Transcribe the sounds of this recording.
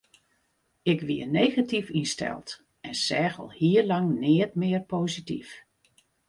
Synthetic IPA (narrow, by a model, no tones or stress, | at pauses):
ɪkʋiənejɣatifinstɛ̰lˠt | ʔɛnsɛːɣə̰lˠhiəlɑŋnɪət̚mɪərpoːzitḭf